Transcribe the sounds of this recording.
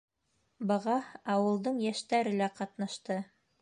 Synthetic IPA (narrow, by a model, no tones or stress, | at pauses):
bɤ̆ʁɑɑwɤ̆lˠd̪ɤɴjæʃt̪æɾɘ̆læqɑt̪nɑʃt̪ɤ